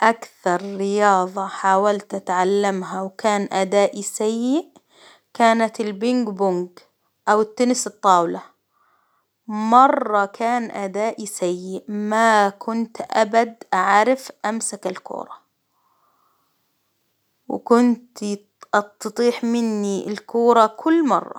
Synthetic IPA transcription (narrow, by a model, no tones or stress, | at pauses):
ʔakθɑɾˤɾɪjɑːðˤɑħaːwalt̪ʔat̪ʕalːamɦawkaːnʔad̪aːʔisajːɪʔ | kaːnat̪ɪlbɪŋɡbʊŋɡ | ʔawɪt̪ːʊnɪsɨt̪ˤːɑːwla | mɑrˤːɑkʰaːnʔad̪aːʔisajːɪʔmakʰʊnt̪ʔabad̪ʔaʕɾɪfʔamsakɪlkṵːɾˤɑ | w̰kʊnt̪ | ʔɑst̪ɑt̪ˤiːħmɪnːiɪ̰lkuːɾˤɑkʰʊlːmɑ̰rˤːɑ̰